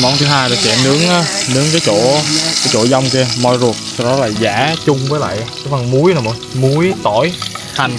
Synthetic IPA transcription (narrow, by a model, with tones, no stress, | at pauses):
mɔ˨˧˦nt̪ɨ˨˦ɦaː˧jtə˨˩t͡ɕɛ̰˧˨mnɨ˨˦əŋa˨˦nɨ˨˦əŋk̬aː˨˦jt͡ɕo̰˧˩˨kaː˨˦jt͡ɕo̰˧˩za˧wŋ͡mke˧əmɔ˧˩jzu˨˩t̚sɔ˧wɗɔ˨˦laː˨˩zaː˧˩˦t͡ɕʊ˧ŋ͡mvəː˨˦jla̰ː˧˨jʔkaː˨˦va˨˩ŋmu˨˦əjnaː˨˩mo˧˩jmu˨˦əjt̪o˧˩j | ha˨˩jŋ̟